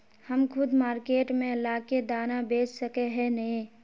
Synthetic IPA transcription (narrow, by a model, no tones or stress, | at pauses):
həmkʰʊd̪maːɾkeːʈmẽɪlaːked̪aːnabeːt͡ʃsəkeɦɛnəɦĩ